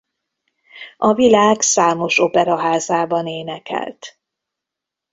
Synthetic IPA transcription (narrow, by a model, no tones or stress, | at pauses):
ʔɒvilaːɡsaːmo̞ʃo̞pɛɾɒɦaːzaːbɒneːnɛkɛ̰lt̪